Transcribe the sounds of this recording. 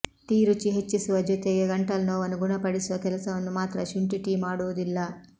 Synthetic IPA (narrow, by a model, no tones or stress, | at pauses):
t̪iːɾut͡ʃiɦet͡ʃːisuʋɐd͡ʒut̪eeɡɐɳʈɐlɐnoːʋɐnuɡunɐpɐɽisʋɐkɛlɐsɐɐnːumaːt̪ɾɐʃuɳʈiʈiːmaːɽud̪ilːaː